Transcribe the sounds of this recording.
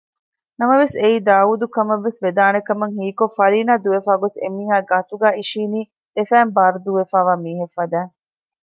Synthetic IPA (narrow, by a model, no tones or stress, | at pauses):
nɐmɐʋeseiːd̪aːuːd̪ukɐmɐʋːesʋed̪aːnekɐmɐŋɦiːkofɐɾiːnaːd̪uʋefaːɡosḛmiːɦaːɡɐt̪uɡæːiʃiːniː | d̪̥efæːmbaːɾud̪uʋefaːʋaːmiːɦefːɐd̪æː